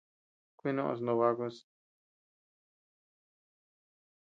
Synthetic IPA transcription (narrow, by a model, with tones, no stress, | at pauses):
kʷi˦nõ˦ʔo̰˧s̬no˧βa˦ko˧s